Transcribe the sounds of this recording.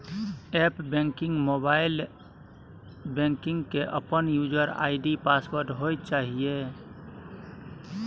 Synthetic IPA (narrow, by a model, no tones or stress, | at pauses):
ɛpbẽŋkɪŋɡmobaɪl | bẽŋkɪ̃ŋɡkeʔəpənjud͡ʒəɾa̰ɪɖipaspəɾʈɦojt̪̚t͡ʃaɦije